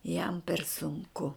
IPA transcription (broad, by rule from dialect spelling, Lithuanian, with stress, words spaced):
jɛm pʲɛr sʊŋˈkʊ